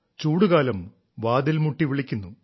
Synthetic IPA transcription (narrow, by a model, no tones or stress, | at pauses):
t͡ɕuːɽuɣaːlɐm | ʋaːd̪ilmuʈːiʋiɭikʲːunːu